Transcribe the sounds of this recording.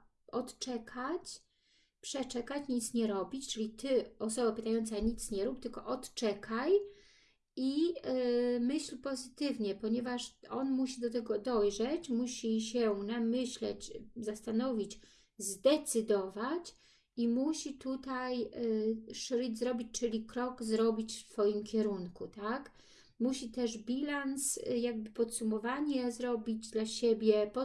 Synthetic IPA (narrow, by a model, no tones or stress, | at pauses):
ɔt̪t͡ʂɛkʰat͡ɕ | pʂɛt͡ʂɛkat͡ɕɲit̪sɲɛɾɔbʲit͡ɕt͡ʂɘlʲit̪ɘɔsɔbapɘt̪ajɔnt̪saɲit̪sɲɛɾup̚t̪ɘlkɔʔɔt̪t͡ʂɛkʰaj | i | mɘɕlpɔzɘt̪ɘvɲɛpɔɲɛvaʂɔnmuɕ̬id̪ɔt̪̬ɛɡɔd̪ɔjʐɛt͡ɕmuɕiɕɛnamɘɕlɛ̰t͡ɕzast̪anɔvʲit͡ɕ | zd̪ɛt̪sɘd̪ɔvat͡ɕ | imuɕit̪ut̪aj | ʂɾid͡ʑzɾɔbʲit͡ɕʲt͡ʂɘlʲikɾɔɡzɾɔbʲit͡ɕfsfɔjimkʲɛɾuŋkut̪ak | muɕit̪ɛʐbʲilansjaɡ̚bɘpɔt̪sumɔvaɲɛzɾɔbʲid͡ʑd̪laɕebʲjɛpɔ